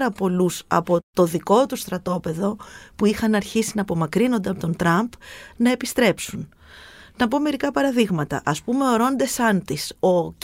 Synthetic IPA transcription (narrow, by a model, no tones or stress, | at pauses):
ɾɐpo̞lusɐ̰po̞t̪o̞ðiko̞t̪ust̪ɾɐt̪o̞pe̞ðo̞puixɐnɐɾçisinɐpo̞mɐkɾino̞nd̪eɐpot̪o̞nt̪ɾɐmbnɐe̞pist̪ɾe̞psun | nɐpo̞me̞ɾikɐpɐɾɐðiɣmɐt̪ɐ̰ʔɐspume̞o̞ɾo̞nd̪e̞sɐnt̪iso̞